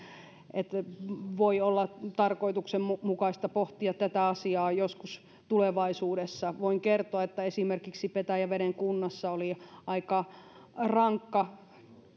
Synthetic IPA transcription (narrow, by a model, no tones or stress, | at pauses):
ʔet̪ʋoiolːɑt̪ɑrkoit̪uksemumukɑist̪ɑpoht̪iɑt̪t̪æt̪æɑsiɑːjoskus | t̪uleʋɑisuːɾesːɑʋoiŋkert̪oɑet̪ːæesimerkiksipet̪æjæʋeɾeŋkunːɑsːɑoliɑikɑ | rɑŋkːɑ